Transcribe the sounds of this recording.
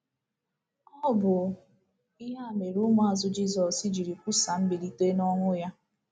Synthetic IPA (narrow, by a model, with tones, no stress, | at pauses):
ɔ˦bʊ˨ | i˦ɦa˦˨me˨ɾu˦ŋ˦a˨zʊ˦d͡ʒi˦zɔ˨si˦d͡ʒi˨ɾi˨kʷu˦sa˨m̩˦bi˨ɾi˦te˦nɔ˦ŋʷʊ˦ja˦